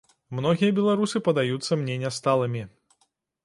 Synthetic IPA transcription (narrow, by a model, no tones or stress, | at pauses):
mnɔɣʲijɐbʲɛlˠaɾusɨpɐd̪ajut̪sːɐmnʲɛnʲɛst̪alˠɐmʲi